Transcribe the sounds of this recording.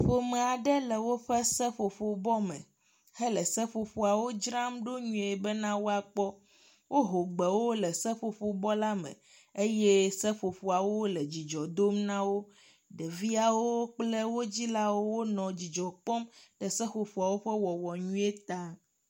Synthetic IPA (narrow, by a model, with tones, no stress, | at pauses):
ɸo˨me˨a˨ɖɛ˦lɛ˨wo˦ɸɛ˦sɛ˦ɸo˨ɸo˨bɔ˦mɛ̰̃˨ | he˦lɛ˨sɛ˦ɸo˨ɸo˨a˨wo˦d͡ʒɾã˦mɖo˦ɲũ˨e˨bɛ˦nã˦wo˦a˨k͡pɔ˦ | wʔo˦ɦo˨ɡ͡bɛ˨wo˦lɛ˨sɛ˦ɸo˨ɸo˨bɔ˦la˦mɛ̰̃˨ | e˦je˦sɛ˦ɸo˨fo˨a˨wo˦lɛ˨d͡ʑi˨d͡ʒɔ˨d̪o˦mnã˦wo˦ | ɖe˨vi˦a˨wo˦k͡ple˦wo˦d͡ʑi˦la˦wo˦wo˦nɔ̃˨d͡ʑi˨d͡ʒɔ˨k͡pɔ˦mɖ̥ɛ˨sɛ˦ɸo˨ɸo˨a˨wo˦ɸɛ˦wɔ˨wɔ˨ɲũ˦e˦t̪a˦